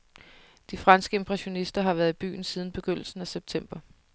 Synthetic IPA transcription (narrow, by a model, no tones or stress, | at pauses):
d̥ifʁɑ̈nsɡ̥əe̝mpʰʁɛɕo̝nisd̥ɐɦɑ̈ʋæːɐðˠib̥y̰ːn̩siːð̞ˠn̩b̥e̝ɡ̥øn̰l̩sn̩æseb̥̚t͡sʰem̰b̥ɐ